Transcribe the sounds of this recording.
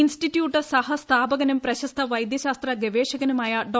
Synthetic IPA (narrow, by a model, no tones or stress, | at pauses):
insʈitːjuːʈːɨsɐhɐst̪ʰaːbɐɣɐnɐmprɐɕɐst̪ʰɐʋɐjd̪jɐɕaːst̪rɐɡeʋeːɕɐɣɐnumaːjɐɖoː